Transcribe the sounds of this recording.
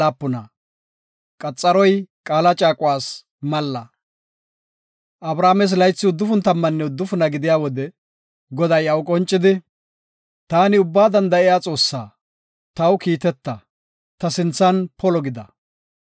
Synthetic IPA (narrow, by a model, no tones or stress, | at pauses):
aːpːʊnɐ | kʼɐt͡sʼːɐɾɔjkʼaːlɐt͡ʃʼaːkʼʊwaːs | mɐlːɐ | ʔɐbɾaːmɛs̬lɐjt͡sːɪʊd̪ːʊfʊnt̪ɐmːɐnːɛʊd̪ːʊfʊnɐɡɪd̪ɪjaːwɔd̪ɛ | ɡɔd̪ɐjɐwkʼɔnt͡ʃʼːɪd̪ɪ | t̪aːnɪʊbːaːd̪ɐnd̪ɐɪjaːt͡sʼo̞ːsːaː | t̪ɐwkiːt̪ɛt̪ːɐ | t̪ɐsɪnt͡sːɐnpʰɔlɔɡɪd̪ɐ